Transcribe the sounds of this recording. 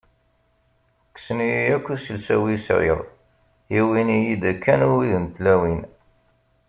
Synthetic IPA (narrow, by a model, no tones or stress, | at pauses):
ksəniijækʷːusəlsæ̰wisɾɪ̰ðˤ | iwinijid̪ækːænuwiðənt̪læwin